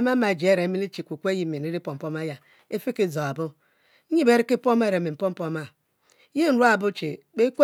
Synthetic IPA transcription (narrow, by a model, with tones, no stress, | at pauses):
a˦ma˦ma˨d͡ʒe˦ɾe˨˦mi˦li˦t͡ʃi˨kʷu˨kʷe˦ji˨mi˨i˦ɾi˦po˨m̩˨pɔ˦ma˦ja˨ | e˦fi˦ki˨zo˨a˨bʊ˦ | ɲi˦be˦ɾi˦ki˦po˦m˦e˦ɾe˨mi˨m̩˨po˦m̩˦po˦ma˨ | je˦n̩˦ɾu˦a˨bʊ˦t͡ʃe˨k͡pe˦kʷo˦